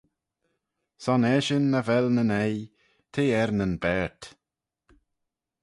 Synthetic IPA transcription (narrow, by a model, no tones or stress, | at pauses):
sɔnɛʃənːəvɛlnənɛj | t̪ʰeːɛɾnənbɛɹt